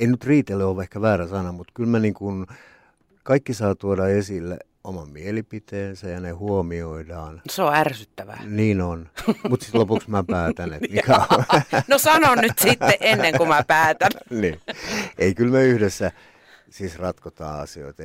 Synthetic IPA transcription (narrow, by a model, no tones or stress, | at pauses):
einyt̪riːt̪eleolʋɑehkæʋæːræsɑnɑmmut̪kylmæniːŋkun | kɑikːisɑːt̪uodɑesilːḛ | omɑmmielipit̪eːnsæjɑnehuomioidɑːnseoærsyt̪ːæʋæ̰niːnonmut̪ssi̥t̪lopuksmæpæːt̪ænemikænosɑnonnyt̪sit̪ːeʔʔenːeŋkumæpæːt̪ænniːeikylmeyhdesːæ | siːsrɑt̪kot̪ɑ̰ːɑ̰sio̰it̪ɑ